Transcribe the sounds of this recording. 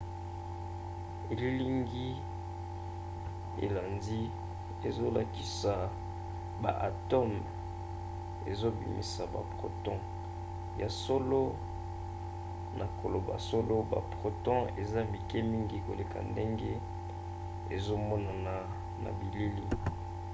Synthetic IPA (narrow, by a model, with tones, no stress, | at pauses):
e˨li˦li˦ŋɡi˦ | ḛ˨la˨nzi˦ | e˨zo˦la˨ki˨sa˨ | ba̰˨ʔa˨to˦m | ḛ˨zo˦bḭ˨mḭ˨sa˨ba̰˨pʁo̰˨tɔ̃˦ | ja˨so˦lo˦ | nʔa˨ko˨lo˨ba̰˨so˦lo˦ba̰˨pʁo˨tɔ̃˦e˨za˦bi˨ke˦mi˦ŋɡi˨ko˨le˨ka̰˨nde˦ŋɡe˦ | ḛ˨zo˦mɔ˦na˨na˨ | na̰˨bi˨li˦lḭ˦